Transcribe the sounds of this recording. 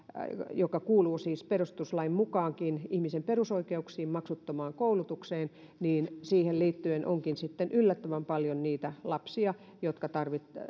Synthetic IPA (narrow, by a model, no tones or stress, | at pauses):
jokɑkuːluːsiːsperust̪uslɑimmukɑːŋkinihmisemperusoikeuksiːmmɑksut̪ːomɑːŋkoulut̪ukseːn | niːnsiːhelliːt̪ːyenʔo̰ŋkinsit̪ːenʔylːæt̪ːæʋæmpɑljonniːt̪ælɑpsiɑ | jot̪kɑt̪ɑrʋit̪